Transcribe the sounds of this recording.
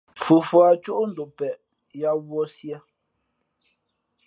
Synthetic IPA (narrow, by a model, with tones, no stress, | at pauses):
fu˨fwa˨t͡ʃu˦ʔn̩˨do˨pɛ˨ʔ | ja˦wɔ˦sja˦